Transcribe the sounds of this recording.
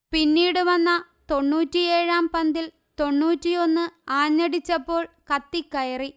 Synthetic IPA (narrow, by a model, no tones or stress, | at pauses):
pinːiːɽɨʋɐnːɐ | t̪o̞ɳːuːtːieːɻaːmpɐnd̪il | t̪o̞ɳːuːtːio̞nːɨaːɲːɐɽit͡ɕːɐpːo̞ːɭ | kɐt̪ːikːɐjɐri